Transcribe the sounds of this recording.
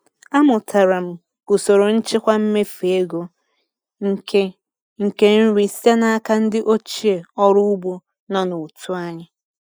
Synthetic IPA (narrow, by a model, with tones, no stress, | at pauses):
a˦mʊ˨tʰa˨ɾa˨m̩˨ | kʊ˨so˨ɾo˨n̩˦t͡ʃɪ˦kʷa˦m̩˦me˦fe˨e˦ɡo˦ | ŋ̩˨ke˦n̩˦ɾi˨si˦a˦na˦a˦ka˦n̩˦dɪ˦ʔo˦t͡ʃi˦e˨ɔ˦ɾʊ˦ʊ˦bo˦ | na˦nu˨tʰu˦a˦ɲɪ˦